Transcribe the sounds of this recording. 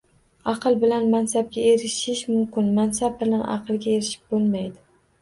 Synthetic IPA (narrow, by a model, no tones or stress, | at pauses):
ɑqʰɨlˠbɪlanmansab̚ɡʲae̞ɾɪʃɪʃmʊmkʲɪnmansab̚bɪlanɑ̰qʰɨlˠɡʲae̞ɾɪʃɪ̥p̚bolˠmajd̪ɪ